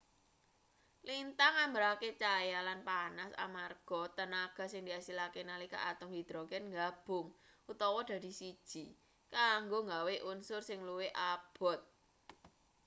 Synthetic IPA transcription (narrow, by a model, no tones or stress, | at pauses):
lint̪aŋambəɾaket͡ʃajalanpanasa̰marɡ̥ɔ̤t̪ənaɡ̥a̤sɪŋd̪iasilakenalika̰ʔat̪ʊŋdid̪̥ɾɔɡɛnŋɡab̥ʊ̤ŋʔut̪ɔwɔd̥ä̤d̪̥i̤sid̥ʒ̥i̤ | kaŋɡoŋɡaweʔunsʊrsɪŋluweʔab̥ɔ̤t̪̚